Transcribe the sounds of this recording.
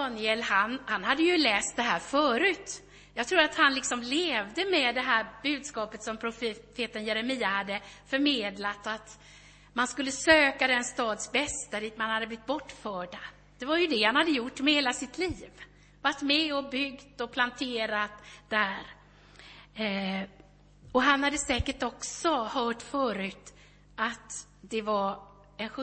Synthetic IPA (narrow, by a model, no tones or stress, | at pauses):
d̪ɑːnɪɛlhanhanhad̪ːəjɵlɛːst̪̚d̪ɛɦæːɾfœːɾʉ̟ːt̪ | jɑɡt̪ʰɾuːɾat̪hanlɪksɔmleːvd̪əmɛd̪ɛɦæːɾbʉ̟ːd̪skɑːpət̪sɔmpʰɾʊfeːt̪ənjɛɾɛmiːahad̪ːəfœɾmeːd̪lat̪at̪ | manskɵlːəsøːkad̪ɛnst̪ɑːd̪sbɛst̪aɾɪt̪manhad̪ːəblɪt̪̚bɔʈːfœːɖa | d̪̥ɛvaɾjɵd̪ɛhanhad̪ːəjʊʈːmɛheːlasɪt̪ʰliːv | vaʈːmɛɔbʏɡt̪ɔpʰlant̪ʰeːɾat̪d̪̥æɾ | ɔɦanhad̪ːəsɛːkəʈɔksɔhœːʈfœːɾʉ̟ːt̪ | at̪ | d̪ɛvaɾ | ɛnɧɵ